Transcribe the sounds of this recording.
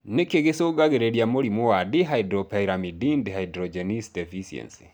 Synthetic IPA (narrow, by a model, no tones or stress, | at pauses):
nekeɣesoɡaɣeɾɛɾjamoɾimɔwadiɦaidɾɔpaiɾamidindehaidɾɔd͡ʒɛnisdɛfisiɛ̰nsi̥